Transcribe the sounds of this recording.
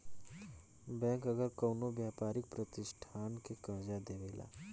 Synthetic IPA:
bɛ̃ːŋkɐɡəɾkəwnobjaːpaːɾɪk̚pɾɐt̪ɪʃʈʰaːnkekɐːd͡ʒad̪eːʋeːla̰ː

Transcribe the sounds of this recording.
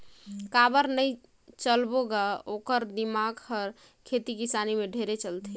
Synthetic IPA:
kabəɾnəj | t͡ʃəlboɡaokəɾd̪imaɡhəɾ | kʰet̪ikisanimeɖʱeɾet͡ʃəlt̪ʰi

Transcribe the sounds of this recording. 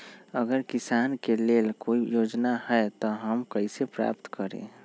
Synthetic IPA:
əɡəɾkɪsaːnkeleːlkoːijoːd͡ʒnahɛt̪ɔɦəmkəisepɾa̰ːpt̪kəɾḛ̃ː

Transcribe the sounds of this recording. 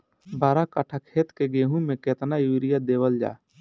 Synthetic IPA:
baːɾakəʈʰakʰeːt̪keɡeːɦũmẽkeːt̪najuːɾɪjad̪eːwəld͡ʒa̰ː

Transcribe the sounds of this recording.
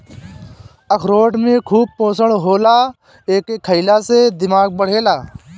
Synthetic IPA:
əkʰɾoːʈmẽːkʰuːb̚põːsəɽɦoːlaː | eːkekʰːəilaːseːd̪ɪmaːɡ̚bəɽ̤eːlaː

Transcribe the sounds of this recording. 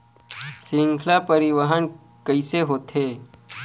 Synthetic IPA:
siŋkʰlapəɾiʋəɦən | kəiseɦot̪ʰe

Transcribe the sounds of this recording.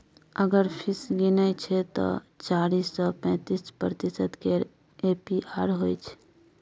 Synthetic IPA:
əɡəɾpʰɪsɡinəjt͡ʃʰet̪ɔ̰t͡ʃaːɾiːsɔpɛ̃ːt̪ispɾət̪isəd̪ke | eːpiʔaːɾɦoit͡ʃʰe̥

